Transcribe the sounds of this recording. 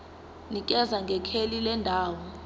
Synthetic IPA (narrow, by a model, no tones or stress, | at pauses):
nik̬ʼɛzaŋɡʱɛkʰelilɛndʱaːwɔ